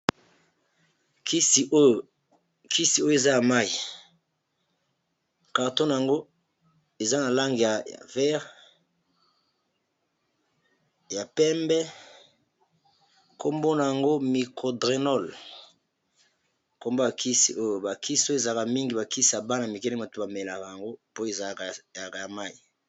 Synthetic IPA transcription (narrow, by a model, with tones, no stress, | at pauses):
ki˦s | kʰi˦si˨o˦jo˨e˨za˦ja˨ma˦i˨ | ka˨ʁto˦na˨a˨ŋɡo˦ | e˨za˦na˨la˦ŋɡi˨ja̰˨vɛ˦ʁ | ja˨pɛ˦mbɛ˦ | ko˦mbo˦na˨ja˨ŋɡo˦mi˨kʰo˨dʁe˨nɔ˦l | ko˨mbo˦ba˨ki˦sḭ˨ʔo˦jo˨ba˨ki˦si̥˦o˦o˦e˨za˨ka˨mi˦ŋɡi˨ba˨ki˦si˦˨ja˨ba˦na˨mi˨kɛ˦le˦mo˨to˦ba˨me˨la˨ka˨ja˨ŋɡo˦po˦e˨za˨ka˨ka˨ja˨ma˦i˨